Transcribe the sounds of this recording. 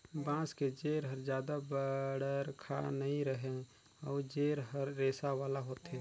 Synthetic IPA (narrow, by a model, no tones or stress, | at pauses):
bãːsked͡ʒeːɾɦəɾd͡ʒjaːd̪abəɽəɾkʰa̰nɐɦĩɾəɦẽ | ɔːɾd͡ʒeːɾɦəɾːeːsaʋaːlaɦoːt̪ɦɛ̃ː